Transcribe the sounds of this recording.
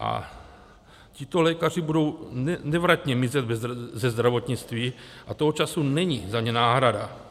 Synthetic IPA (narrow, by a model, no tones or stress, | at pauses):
ʔa̰ | cɪt̪o̞lɛːkar̝ibudo̞wɛnɛvɾac̪ɲɛmɪzɛd̪vɛzzɛzd̪ɾavo̞t̪ɲɪt͡st̪viːʔat̪oɦot͡ʃasunɛɲizaɲɛnaːɦɾada